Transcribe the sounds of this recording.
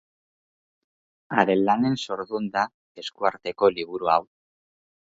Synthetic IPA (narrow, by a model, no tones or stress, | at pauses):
aɾe̞nlane̞nso̞ɾðund̪a | e̞skuaɾt̪e̞ko̞liβ̞uɾuaw